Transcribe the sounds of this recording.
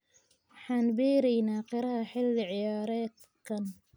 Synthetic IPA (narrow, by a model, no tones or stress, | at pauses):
ħanbiːɾijnaqɪɾaħɪlːʕɪjɑːɾˤɑːt̪ | kan